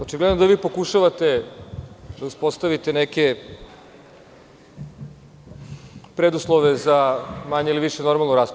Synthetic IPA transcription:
ot͡ʃiɡled̪nod̪aʋiːpo̞kuʃaʋat̪e̞ | d̪auspo̞st̪aʋit̪eneke | pɾed̪uslˠoʋezamaɲeiliʋiʃeno̞ɾmalˠnuɾaːsp

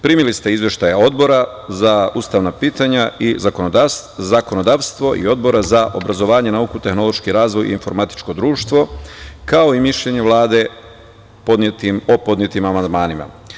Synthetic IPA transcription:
pɾiːmilist̪e̞izʋje̞ʃt̪ajao̞d̪bo̞ɾa | zauːst̪aʋnapiːt̪aɲaʔizako̞nod̪azako̞no̞d̪aːʋst̪ʋo̞ʔḭo̞d̪̚bo̞ɾazaʔo̞̰bɾazo̞ʋaːɲe̞nauːkut̪e̞xno̞lˠo̞ʃkiɾaːzʋo̞jḭːnfo̞ɾmat̪i̥t͡ʃko̞d̪ɾuːʃt̪ʋo̞kao̞imiʃʎe̞ɲe̞ʋlˠaːd̪e̞ | pot̪imopo̞d̪nɲje̞t̪imamand̪maːnima̰

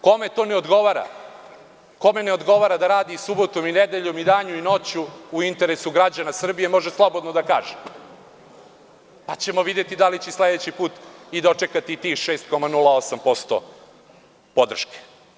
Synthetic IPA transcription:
ko̞me̞t̪o̞neod̪ɡo̞ʋaːɾa̰ | ko̞me̞ne̞od̪ɡo̞ʋaɾad̪aɾaːd̪isubo̞t̪o̞mined̪e̞ʎo̞mid̪aːɲuino̞t͡ɕuːint̪e̞ɾesuɡɾad͡ʑanasr̩bije̞mo̞ʒe̞slˠo̞bod̪nod̪aka̰ːʒe | pat͡ɕe̞mo̞ʋid̪e̞t̪id̪alit͡ɕesled̪et͡ɕipuːt̪id̪o̞t͡ʂekat̪iːt̪ixʃe̞ːst̪̚ko̞manulˠao̞sampo̞st̪o̰ | po̞d̪r̩ʃke̥

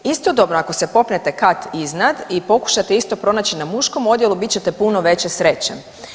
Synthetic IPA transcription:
ist̪o̞d̪o̞bnoako̞se̞po̞pne̞t̪e̞kat̪iznad̪ipo̞ku̥ʃat̪e̞ist̪o̞pɾo̞naːt͡ɕinamuʃko̞mo̞d̪je̞lˠubit̪t͡ɕe̞t̪e̞puno̞ʋe̞t͡ɕe̞sɾe̞t͡ɕḛ

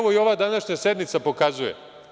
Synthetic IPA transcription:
ʋoio̞ʋaːd̪anaʃɲased̪nit̪sapo̞kazujḛ

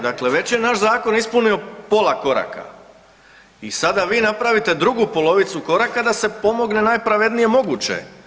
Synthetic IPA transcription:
d̪akle̞ʋe̞t͡ɕje̞naːʃzaːko̞nispunio̞po̞ːlˠako̞ɾa̰ka̰ | isad̪aʋiːnapɾaʋit̪e̞d̪ɾuɡupo̞lˠo̞ʋit̪suko̞ɾakad̪ase̞po̞mo̞ɡne̞naːjpɾaʋe̞d̪nije̞mo̞ɡut͡ɕe̞̰

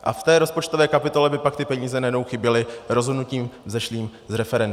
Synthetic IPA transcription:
ʔa̰ft̪ɛːɾo̞spo̞t͡ʃt̪ovɛːkapɪt̪o̞lɛbɪpak̚t̪ɪpɛɲiːzɛnaɛjɛdnowxɪbjɛlɪɾo̞zɦodnuciːmzɛʃliːm | zɾɛfɛɾɛn

